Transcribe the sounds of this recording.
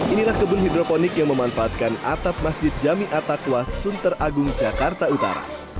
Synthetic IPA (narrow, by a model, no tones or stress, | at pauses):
ʔinilahkəbʊnhidɾoponɪkjaŋməmanfaat̪̚kana̰t̪ap̚masd͡ʒɪt̪̚d͡ʒamiʔat̪akwasunt̪əraɡʊŋd͡ʒakart̪aut̪a̰ɾa̰